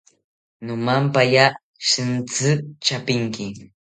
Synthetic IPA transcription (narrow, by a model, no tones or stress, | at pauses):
nomampaja | ʃɪnt͡sɨt͡ʃapɪŋkɪ